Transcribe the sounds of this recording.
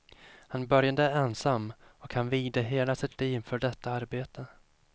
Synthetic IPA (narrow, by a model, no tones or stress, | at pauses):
hanbœɾjad̪əɛnsamːɔkhanviːd̪əɦeːlasɪt̪ʰliːvfœɖɛt̪ːaaɾbeːt̪ʰə